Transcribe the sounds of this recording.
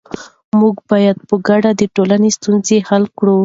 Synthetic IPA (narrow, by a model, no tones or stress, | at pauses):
muɡbɑjad̪̚pəɡaɖad̪əʈolanest̪unzehalkɽu